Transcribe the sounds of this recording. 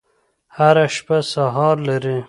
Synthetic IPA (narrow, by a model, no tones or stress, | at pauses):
haɾaʃpasaɦɑɾlaɾi